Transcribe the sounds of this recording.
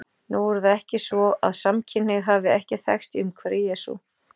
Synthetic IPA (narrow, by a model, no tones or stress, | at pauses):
nuːwɛɾθaðɛhcɪsvɔa̰ðsamcʰɪnɪɣðɦaːvɪɛhcɪθɛ̰xst̪ʏmkʰvɛɾɪjɛːsṵ